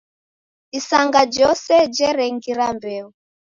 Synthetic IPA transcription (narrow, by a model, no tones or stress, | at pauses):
isaŋɡad͡ʒɔsɛd͡ʒɛɾɛŋɡiɾambɛu